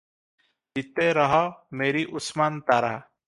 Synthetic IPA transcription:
d͡ʒit̪eːɾəɦameːɾiːʔʊsmaːnt̪aːɾa̰ː

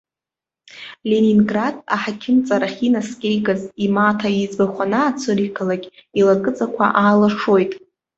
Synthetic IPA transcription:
lʲeninɡrada̰ħakʲʰɪmt͡sʼaɾaχʲinaskʲʼejɡazimatʰaizbaχʷanaːt͡sʷʰɨrikʰalakʲʼilakʼɨt͡sʼakʷʰa̰ʔaːlaʂo̞jtʼ

